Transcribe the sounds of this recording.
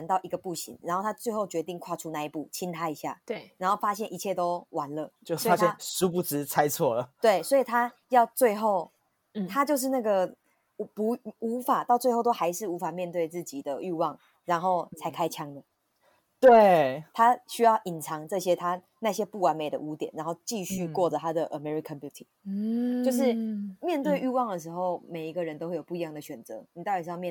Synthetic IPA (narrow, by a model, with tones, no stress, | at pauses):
nt̪ɑ˥˩ʊʔi˧˦ɡə˨pu˥˩ɕḭ˨˦ŋɻa˨˦nxo˥˩t̪ʰa˥t͡swe˥˧ɪxo˥˩ʊt͡ɕɥɛ˧˥t̪i˥˧ŋkʰwa˥˧ʈ͡ʂʰu˦na˥˧i˥˩pu˥˩t͡ɕʰi˦nt̪ʰa˥i˧˥ɕja̰˥˩ɻa˨˦nxo˥˩ʊfa˦˥ɕjɛ˥˩nʔi˧˥t͡ɕʰjɛ˥˩t̪o˥ʊwa˧˦nlə˨t͡ɕjo˥˧ɔ˥a˦jɛ˥˨˥su˥pu˥˩ʈ͡ʂɻ̩˧˥t͡sʰa˦ɪt͡sʰwɔ˥˩lə˩t̪we˥˩ɪswɔ˧˥i˨˩t̪ʰa˦˥ | jɑ˥˧ʊt͡swe˥˧ɪxo˥˩ʊ | t̪ʰa˥t͡ɕjo˥˧ʊʂ̬̩˥˧na˥˩ɡə˩˧ | pu˧˥u˧˥fa˨˩t̪ɑ˥˧ʊt͡swe˥˧ɪxo˥˧ʊt̪o˥xa˧˥ɪʂɻ̩˥˩u˧˦˥fa˨˩mjɛ˥˧nt̪we˥˧ɪt͡sɹ̩˥˩t͡ɕi˨˩d̪ə˦y˥˧wɑ˥˩ŋ | ɻa˧˥nxo˥˩ʊt͡sʰa˧˥ɪkʰa˥ɪt͡ɕʰjɑ˥ŋd̪ə˨˩ | t̪we˥˩ɪt̪ʰa˥ɕy˥jɑ˥˩ʊʔi˨˩nt͡sʰɑ˧˥ŋʈ͡ʂɤ˥˩ɕjɛ˥t̪ʰa˥ | na˥˩ɕjɛ˦˥pu˥˩wa˧˥nme˨˩ɪd̪ə̰˨u˧˥t̪jɛ˨˩˦nɻa˧˥nxo˥˧ʊt͡ɕi˥˧ɕy˥˧kwɔ˥˩ʈ͡ʂə˩t̪ʰa˥d̪ə˨ʔə˨mɛ˦˥ɹi˨kʰə˥˦npu˧˥˩t̪ʰi˨˩t͡ɕjo˥˧ʊʂ̬ɻ̩˥˨mjɛ˥˧nt̪we˥˧ɪʔy˥˧wɑ˥˩ŋd̪ə˩ʂ̬ɻ̩˧˥xo˥˩ʊme˨˩ɪi˧˥ɡə˧˨ɻə˧˦nt̪o˥xe˥˩jo˨˩pu˥˩˨i˧˦jɑ˥˩ŋd̪ə˩ɕɥɛ˨˩nt͡sɤ̰˧˦ni˨˩t̪i˨˩˧ɑ˥˧mjɛ˥˨